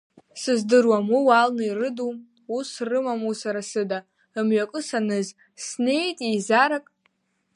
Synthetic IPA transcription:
sɨzdɨrwamiwalnɨirɨdum | usrɨmamusaɾasɨda | ɨmɥakʼɨsanɨz | sne̞jtʼizaɾakʼ

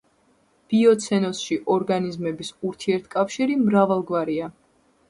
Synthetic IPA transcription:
b̥iɔt̪sʰɛnɔsʃiʔɔɾɡanizmɛbisuɾt̪ʰiɛɾt̪ʰkʼafʃiɾimɾavalˠɡvaɾia

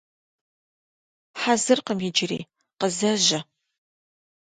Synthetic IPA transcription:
ħazɨrqəmjɪd͡ʒɪɾḭː | qəzɐʒɐ

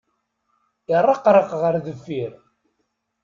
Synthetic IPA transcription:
ɪrˤːɑqɾˤəqʁəɾðəfːiɾ

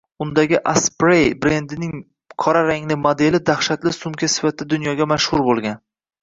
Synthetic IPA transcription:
ʊnd̪aɡʲɪʔaspɾejbɾe̞nd̪ɪnɪŋ | qʰɒɾaɾaŋlɪmod̪e̞lɪd̪aχʃat̪lɪsʊmkʲʰasɪ̥fat̪̚ːad̪ʊnjɒɡʲamaʃhʊɾbolˠɡʲan

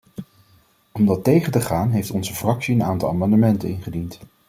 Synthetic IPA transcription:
ɔmdɑtejχəntəχaːnɦejftɔnzəfrɑksiənaːntɑlˠa̰mɑndəmɛntə̰nɪnχədint

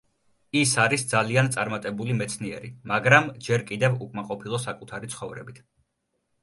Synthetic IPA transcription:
isaɾisd̪zaliant̪sʼaɾmat̪ʼɛbulimɛt̪sʰniɛ̰ɾimaɡɾamd͡ʒɛɾkʼid̪ɛvukʼmaqʼɔpʰilˠɔsakʼut̪ʰaɾit̪sʰχɔvɾɛ̰bit̪ʰ

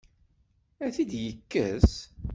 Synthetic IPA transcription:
æθid̪jəkːə̰s

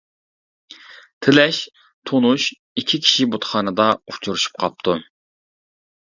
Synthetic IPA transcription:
t̪ʰɪlɛʃ | t̪ʰonuʃ | ikʲʰːikʲʰi̥ʃibot̪χɑːnɨd̪ɑut͡ʃʰuɾuʃu̥p̚qʰɑp̚t̪ʰu

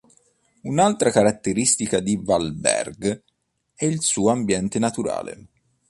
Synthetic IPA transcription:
unalt̪ɾakaɾat̪ːeɾist̪ikad̪ivalbɛ̰rɡ | ɛilsuːoambjɛnt̪enat̪uɾa̰ːlḛ

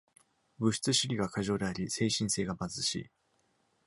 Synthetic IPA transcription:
bɯ̟ɕi̥t͡sɨɕiɾʲiɡakaʑo̞ːd̪e̞aɾʲise̞ːɕĩɰ̃se̞ːɡamazɨɕḭː

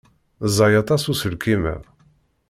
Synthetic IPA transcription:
zˤɑjɑt̪ˤɑsusəlkːimæ̰

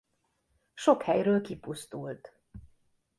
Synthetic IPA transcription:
ʃo̞khɛjɾøːlkipust̪ult̪

